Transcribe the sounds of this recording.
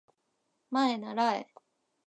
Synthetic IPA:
maenaɾaḛ

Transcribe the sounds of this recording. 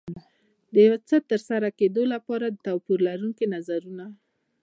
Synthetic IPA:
d̪əjawat͡sət̪ːəɾsaɾaked̪olapɑɾad̪ət̪awpuɾlaɾuŋkinazaɾuna

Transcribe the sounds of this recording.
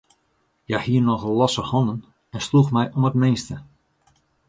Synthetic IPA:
jahiərnɔxlɔsəhɔnən | ɛnsluxmɛjʔomətmeːstə

